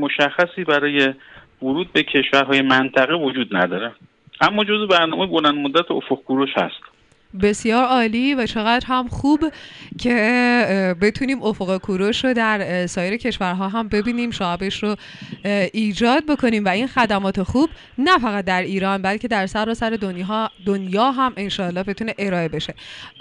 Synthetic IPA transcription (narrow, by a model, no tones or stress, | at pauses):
moʃæxːæsiːbæɾɒːje̞ | voɾuːd̪̚becʰe̞ʃvæɾɦɒːjemænt̪ʰæɣevod͡ʒuːd̪næ̰d̪ɒːɾe | ʔæmːɒːd͡ʒo̞zebæɾnɒːmejbolænd̪̚mod̪ːæt̪ʰeofoqkʰuɾoʃhæ̰st̪ | be̞sjɒːɾɒːliːvæt͡ʃʰe̞ɣæd̪ɾɦæmxuːbcʰe̞ | be̞t̪ʰuniːmo̞foɣekʰuɾo̞ʃɾod̪æɾsɒːjeɾecʰe̞ʃvæɾɦɒːɦæmbe̞biːniːmʃɒːæbe̞ʃɾo | ʔiːd͡ʒɒːd̪̚bo̞kʰo̞niːmvæinxæd̪æmɒːt̪ʰe̞xuːb | næfæɣæt̪̚d̪æɾiːɾɒːnbælcʰe̞d̪æɾsæɾɒːsæɾe̞d̪ond̪o̞njɒːɦæme̞nʃɒːlːɒːhbe̞t̪ʰuːne̞ʔe̞ɾɒːe̞be̞ʃe̞